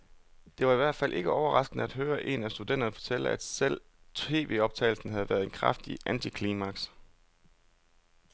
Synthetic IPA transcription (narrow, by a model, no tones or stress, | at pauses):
d̥e̝ʋɑ̈iʋæɐd̥fælʔe̝ɡ̥əɒʊɐʁɑ̈sɡ̥ənəæd̥ɦøːɐʔe̝næsd̥ud̥en̰d̥ɐnfɒ̽t͡sʰel̰əæd̥sel̰ | t͡sʰe̝̰ːʋe̝ːɒ̽b̥̚t͡sʰɛ̰ːl̩sn̩ɦæð̞̩ˠʋæːɐð̞̩ˠe̝nkʰʁɑfd̥iʔænt͡sʰikʰliːmæɡ̥s